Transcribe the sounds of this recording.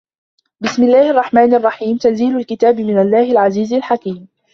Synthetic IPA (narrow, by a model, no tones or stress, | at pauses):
bɪsmɪlːaːhɑrˤːɑħmaːnɑrˤːɑħiːmt̪anziːlʊlkɪt̪aːbɪmɪnalːaːhalʕaziːzalħakiːm